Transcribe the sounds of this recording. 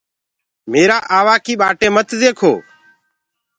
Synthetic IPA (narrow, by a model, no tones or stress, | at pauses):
meːɾaːʔaːʋaːkiːɓaːʈeːmət̪ʰzeːkʰo̰ː